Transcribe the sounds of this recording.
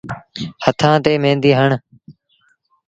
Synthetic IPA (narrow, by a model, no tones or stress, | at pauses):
hət̪ʰãːt̪eːmẽːnd̪iːɦəɳ